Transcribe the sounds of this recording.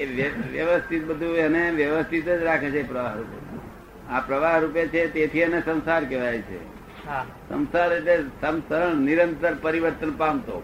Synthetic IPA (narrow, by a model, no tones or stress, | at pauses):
eʋjəʋjəʋəst̪ʰit̪̚bəd̪ʱuəneʋjəʋəst̪ʰit̪əd͡ʒɾakʰet͡ʃʰeːpɾəʋaɦɾupḛ | apɾəʋaɦɾupet͡ʃʰet̪et̪ʰiənesə̃w̃saɾkɛʋajt͡ʃʰḛ | ɦa | sə̰̃nsaɾeʈlesəmsəɳniɾənt̪əɾpəɾiʋəɾt̪ənpamt̪o̰